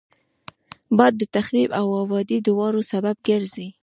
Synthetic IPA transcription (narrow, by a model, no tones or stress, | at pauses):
bɑd̪ːət̪axɾibawɑbɑd̪id̪əwɑɾosabab̚ɡəɾzi